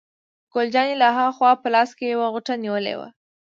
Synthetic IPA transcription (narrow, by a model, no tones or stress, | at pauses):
ɡ̥old͡ʒɑnilaɦaxwɑpəlɑskejawaɣʊʈaniwəlḛwa̰